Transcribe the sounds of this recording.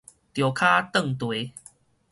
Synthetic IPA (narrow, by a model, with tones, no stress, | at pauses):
t̪jo˨˩kʰa˦t̪ə˥˨ŋt̪we˨˦